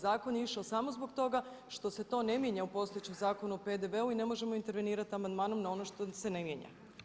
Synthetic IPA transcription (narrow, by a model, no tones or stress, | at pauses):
zaːko̞njiʃaosamozbo̞kt̪o̞ɡaʃt̪o̞se̞t̪o̞ne̞mjeɲaupo̞sojet͡ɕemzaːko̞nuope̞d̪e̞ʋeuine̞mo̞ʒe̞mo̞int̪e̞ɾʋe̞niːɾat̪iamand̪maːnomnao̞no̞ʃt̪ose̞nemjeɲa̰